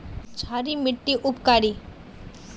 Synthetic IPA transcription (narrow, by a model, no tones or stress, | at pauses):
t͡ʃʰaːɾimɪʈːiʔʊpkaːɾi